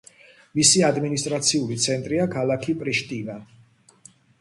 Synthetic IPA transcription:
misiad̪minist̪ʼɾat̪sʰiulit̪sʰɛnt̪ʼɾiakʰalˠakʰipʼɾiʃt̪ʼina

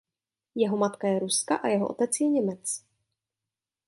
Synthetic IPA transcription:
jɛɦomat̪kajɛɾuskaʔajɛɦoʔo̰t̪ɛt͡sjɛɲɛmɛt͡s

